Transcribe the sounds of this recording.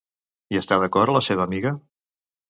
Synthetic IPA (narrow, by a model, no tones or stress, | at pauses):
iəst̪aðəkɔɾələseβəːmiɣə